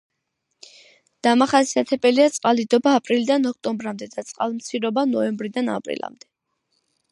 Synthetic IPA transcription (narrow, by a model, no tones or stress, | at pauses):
d̪̥amaχasiat̪ʰɛbʼɛliat̪sʼqʼalid̪ɔbaːpʼɾilid̪anɔk̚ʰt̪ʼɔmbɾamd̪ɛd̪at̪sʼqʼalˠmt̪sʰiɾɔbanɔɛmbɾid̪ana̰pʼɾḭlˠa̰md̪ɛ